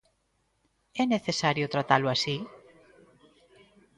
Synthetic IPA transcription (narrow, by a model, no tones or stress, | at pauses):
ɛneθesaɾjot̪ɾat̪aloasi